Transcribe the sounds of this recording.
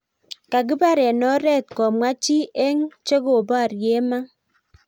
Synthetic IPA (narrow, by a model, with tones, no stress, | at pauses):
ka˨k̬i˦ba˦ɾɛ˨nɔ˦ɾɛ˦tkɔ˨mwa˦t͡ʃi˦ʔɛ˦ŋt͡ʃe˦ko˨ba˦˨rje˦ma˦